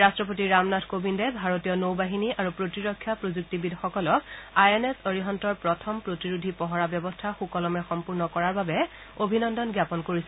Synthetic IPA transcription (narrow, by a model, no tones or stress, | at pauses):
ɹastɹɔp̬otiɹamnatʰkobindɛbʱaɹotijɔnowbaɦiniʔaɹupɹotiɹɔkʰːjapɹozuk̚tibidʱxɔkɔlɔk̚ajenesoɹiɦɔntɔɹpɹɔtʰɔmpɹotiɹudʱipɔɦɔɹabjɔbɔstʰaxukɔlɔmɛxɔmpuɹnɔkɔɹaɹbabɛ | obʱinɔndɔnɡjapɔnkoɹisɛ